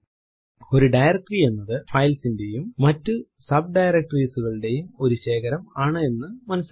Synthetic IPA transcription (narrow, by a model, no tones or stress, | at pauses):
o̞ɾuɖɐjrɐk̚ʈrie̞nːɐðɨfɐjlsinde̞jumːɐtːɨ | sɐb̚ɖɐjɾɐk̚ʈriːsuɣɐɭɨɽe̞jumo̞ɾuɕe̞ːɣɐɾɐmaːɳɨe̞nːɨmɐnɐsː